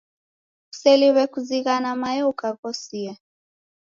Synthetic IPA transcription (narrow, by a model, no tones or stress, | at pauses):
u̥sɛliβɛkuziɣanamajɛukaɣɔsia